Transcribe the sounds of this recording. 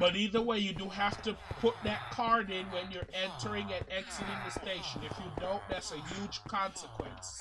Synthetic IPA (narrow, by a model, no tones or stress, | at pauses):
b̥ʌɾiðə˞weɪjɨdɨɦæftɨpʰʊt̪̚ðɨt̚kʰɑɹɾɪ̃nwɨ̃njə˞ʔɛ̃ntʰə˞ɪ̃ŋɨɾɛksɨɾɪ̃ŋðɨsteɪʃɨ̃nɨfjɨdõʊ̃nðætsɨjʉd̥ʒ̥kʰɑ̃nsɨkʰwɨ̰̃ns